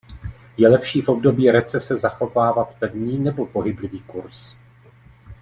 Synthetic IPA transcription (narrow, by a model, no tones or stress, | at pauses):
jɛlɛpʃiːfo̞b̚do̞biːɾɛt͡sɛsɛzaxo̞vaːvat̪pɛvɲiːnɛbo̞po̞ɦɪblɪviːkuɾs